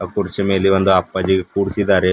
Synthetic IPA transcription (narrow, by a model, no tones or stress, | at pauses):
ɐkuɾit͡ʃɐme̞ːliond̪uɐpːɐd͡ʒiɡekuːɽisid̪aːɾe